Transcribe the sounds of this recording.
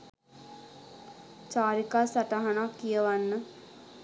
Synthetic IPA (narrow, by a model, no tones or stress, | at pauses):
t͡ʃaːɾikasɐʈaɦɐnakijəʋanːə